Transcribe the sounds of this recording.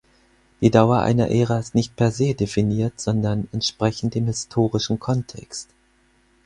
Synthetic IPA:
d̥iːdaʊɐʔa̰ɪnɐ̰ʔeːʁaɪstnɪçt̚pʰɛɐzeːdefiniːɐtz̥ɔndɐnɛntʃpʁ̥ɛçn̩tɪmhɪstʰoːʁɪʃn̩kʰɔntʰɛ̰kst

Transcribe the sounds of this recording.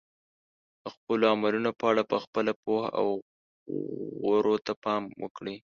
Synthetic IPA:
əxpəloamalunopəaɽapəxpəlapohaa̰w | ɣoɾot̪apɑmwə̰kɽi

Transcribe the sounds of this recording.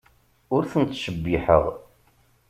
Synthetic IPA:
ʊɾθənt̪ʃəbːiħə̰ʁ

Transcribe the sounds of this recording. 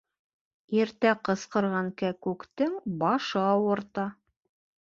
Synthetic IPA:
iɾt̪æqɤ̆sqɤ̆ɾʁɑŋkækʉkt̪ɘŋbɑʃɤɑwɤ̆ɾt̪ɑ

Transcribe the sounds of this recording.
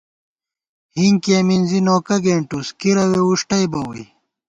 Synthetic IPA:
hiŋkeminzinoːkɐɡeːɳʈuskiɾɐweuʂʈɐjbɐwḭj

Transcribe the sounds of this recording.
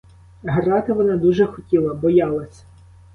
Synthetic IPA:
ɦrɑt̪ɪʋɔnɑd̪uʒɛxɔtʲilˠɐbɔjɑlˠɐsʲɐ̥

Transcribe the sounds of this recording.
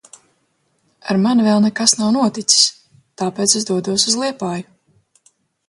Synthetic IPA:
a̰ɾmanvɛlˠnɛkasnawnuɔt̪it̪si̥s | t̪aːpeːt̪sezd̪uɔd̪uɔsuzlˠiɛpaːju

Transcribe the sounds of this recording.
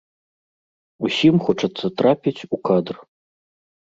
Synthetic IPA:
usʲimxɔt͡ʂɐt̪sːɐt̪ɾapʲit͡sʲukad̪r

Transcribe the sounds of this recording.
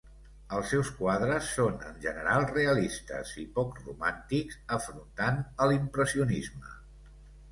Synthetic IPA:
əlˠsɛwskwað̞ɾəsːonə̰nʒənəɾalˠreəlist̪ə̰zipɔkrṵmant̪ikzəfɾunt̪anəlimpɾəsiunizmə

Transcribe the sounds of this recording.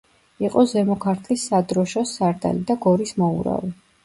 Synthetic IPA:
iqʼɔzɛmɔkʰaɾt̪ʰlisːad̪ɾɔʃɔsaɾd̪a̰lid̪aɡɔɾismɔṵɾa̰vɛ

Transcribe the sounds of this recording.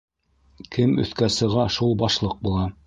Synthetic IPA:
kʰɘmɵ̰̆θkæsɤ̆ʁɑʃulˠbɑʃlˠɤq̚bulˠɑ

